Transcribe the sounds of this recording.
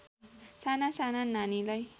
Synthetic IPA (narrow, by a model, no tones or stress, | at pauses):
sanasanananilaj